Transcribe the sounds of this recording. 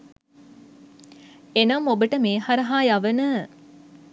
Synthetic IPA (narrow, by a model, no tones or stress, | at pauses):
enɐmobəʈəmeːɦaɾɐɦaːjaʋənə